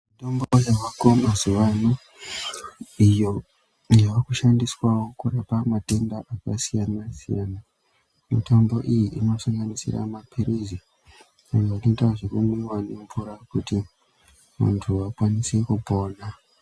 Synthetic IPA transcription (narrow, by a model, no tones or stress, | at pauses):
mitombojaʋakomazuʋano | ijo | jaʋakuʃandiswawo̞kurapamate̞ndaʔakasijanasijana | mḭto̞mbo̞ʔijiʔino̞saŋɡanisḭra̰mapʰiɾizi | sakainetaaʐekumewanempuɾakuti | ʋa̰ntʰuʋakwanise̞kupo̞ːna